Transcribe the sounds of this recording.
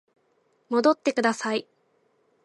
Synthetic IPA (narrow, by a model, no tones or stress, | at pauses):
mo̞d̪o̞t̪ːe̞kɯ̟d̪asai